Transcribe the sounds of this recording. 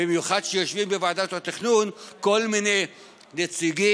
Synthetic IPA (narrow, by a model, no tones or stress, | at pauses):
imjuχad̪ʃejo̞ʃvimbevaːdat̪hat̪iχnunko̞lmine̞j | net͡siɡi